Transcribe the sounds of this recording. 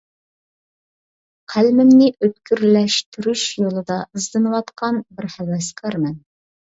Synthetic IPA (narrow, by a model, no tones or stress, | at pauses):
qʰælmɪmnɪʔøt̪̚kʲyɾlɛʃt̪ʰyɾyʃjolˠɨd̪ɑəzd̪ɨnɨwɑt̪qʰɑnbɪɾhæwɛskʰɑɾmɛn